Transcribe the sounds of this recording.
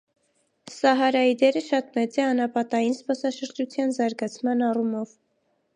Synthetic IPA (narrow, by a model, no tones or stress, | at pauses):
sɑɦɑɾɑjid̪ɛɾəʃɑt̪mɛt͡sɛɑnɑpɑt̪ɑjinspɑsɑʃəɾd͡ʒut͡sʰjɑnzɑɾɡɑt͡sʰmɑnɑrumɔv